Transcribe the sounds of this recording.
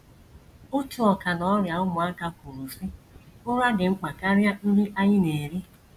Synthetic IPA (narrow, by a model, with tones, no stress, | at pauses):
ʊ˦tu˨ɔ˨ka˨nɔ˨ɔ˦ɾja˨ʊ˦mʊ˨a˦ka˦ku˨ɾu˨si˦ʊ˦ɾa˦ɡɪ˨ŋ͡m̩˦k͡pa˨ka˦ɾja˦ɾi˦ʔa˦ɲɪ˦ne˨ɾi˦